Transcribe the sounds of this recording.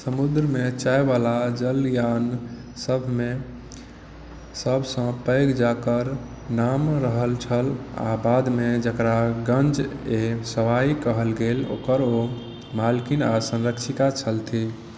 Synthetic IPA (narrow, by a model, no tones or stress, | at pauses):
səmud̪ɾəmet͡ʃaebalad͡ʒəljan | səbʱme | səbʱsə̃pəɪɡd͡ʒakəɾ | namɾəɦəlt͡ʃʰəla̰bad̪med͡ʒəkɾaɡənd͡ʒesəʋaikəɦəlɡelo̰kəɾo | malkinasə̃nɾəkʃʰik̪at͡ʃʰəlt̪ʰi